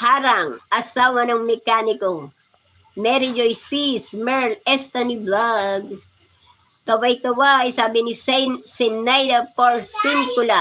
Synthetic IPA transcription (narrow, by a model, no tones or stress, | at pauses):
haɾɐŋɐsaːwɐnɐŋmɛkanɪko | mɛɾɪd͡ʒojsismɛɹlɛst̪ɐniblaɡs | t̪ɐwajt̪ɐwajsaːbɪnisɛnsɛnːajd̪ɐpoɹsɪŋkʊla